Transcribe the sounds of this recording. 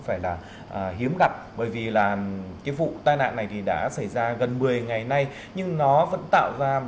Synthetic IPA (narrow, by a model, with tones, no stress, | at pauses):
faː˧˩jlaː˨˩ | ʔəː˨˩ɦi˨˦əmɣa˨˩p̚ɓəː˧˩jvi˨˩laː˨˩kaː˨˦vṵ˧˨t̪aː˧jna̰ː˧˨nːa˨˩jt̪ʰi˨˩ɗa̰ː˧˥sa˧˩jzaː˧ɣə˨˩nmɨ˨˩əjŋa˨˩jna˧j | ɲɨ˧ŋnɔ˨˦və̰˧˥nt̪a̰ː˧˨wzaː˧